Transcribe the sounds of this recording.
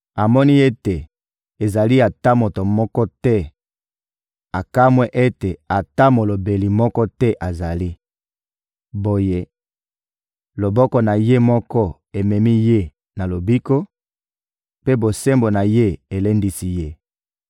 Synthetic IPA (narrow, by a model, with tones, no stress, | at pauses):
a˨mɔ˦ni˦e˦te˨ | e˨za˨li˦a˨ta˦mo˨to˨mɔ˦kɔ˦tɛ˦ | a˨ka˦mwɛ˦ʔe˦te˨a˨ta˦mo˨lo˨be˨li˨mɔ˦kɔ˦tɛ˦ʔa˨za˨li˦ | bo˨je˦ | lo˨bɔ˦kɔ˦na˨je˦mɔ˦kɔ˦ | e˨mɛ˨mi˦je˦ | na˨lo˨bi˦ko˦ | pe˦bo˨se˦mbo˨na˨je˦e˨le˦ndi˦si˦je˦